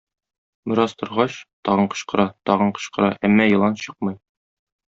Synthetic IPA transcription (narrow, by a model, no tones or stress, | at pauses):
bɘ̆ɾɑst̪ŏɾʁɑɕt̪ɒʁɤɴqɤ̥̆ɕqɤ̆ɾɑt̪ɒʁɤɴqɤ̥̆ɕqɤ̆ɾɑ̰ʔæmːæjɤ̆lˠɑnɕɤq̚mɤj